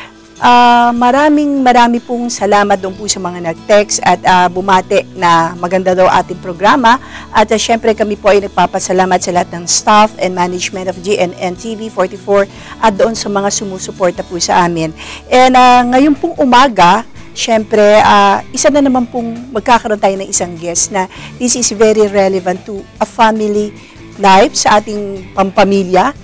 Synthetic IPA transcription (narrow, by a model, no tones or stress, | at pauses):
ʔamɐɾaːmɪŋmɐɾaːmɪpʊŋsɐlaːmɐt̪̚d̪oʔonpʊsɐmɐŋanɐɡ̚t̪ɛksɐt̪abʊmaːt̪ɛʔnɐmɐɡɐnd̪ad̪ɐwɐŋʔa̰ːt̪ɪŋpɾoɡɾaːmɐʔɐt̪ɐʃɛmpɾɛkɐmipoʔɐjnɐɡ̚papɐsɐlaːmɐt̪̚sɐlɐhat̪̚nɐŋst̪afʔɛnmanɐd͡ʒmɛ̃nt̪ofd͡ʒiʔɛnɛnt̪ivifoɹt̪ifoɹ | ʔɐd̪oʔonsɐmɐŋasʊmuːsʊpoɹt̪ɐpʊsɐʔaːmɪnʔɛnɐŋɐjonpʊŋʔʊmaːɡɐ | ʃɛmpɾɛaʔɪsanɐnɐmanpʊŋmɐɡ̚kaːkɐɾo̞nt̪aːjonɐŋʔɪsaŋɡɛst̪nɐðɪsɪsvɛɾiɹɛlɛvɐ̃nt̪ːuʔɐfamɪli | lajfsɐʔaːt̪ɪŋpɐmpɐmiljɐ